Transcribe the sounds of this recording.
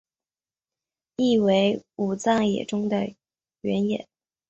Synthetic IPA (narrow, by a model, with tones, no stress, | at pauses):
i˥˩we˧˥ɪu˨˩t͡sɑ˥˩ŋjɛ̰˨˩ʈ͡ʂʊ˥ŋd̪ə˨ | ɥɛ˧˥njɛ˨˩˦n